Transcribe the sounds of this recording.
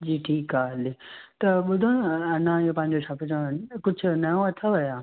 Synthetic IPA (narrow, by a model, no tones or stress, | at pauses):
d͡ʑiːʈʰiːkaːlet̪ɐɓʊd̪ʱõnɐnãijõpɐ̃ɦɪ̃ɲd͡ʑoʃaːpɪd͡ʑõkʊd͡ʑʱʊ̆nɐjõɐt̪ʰaʋɐjaː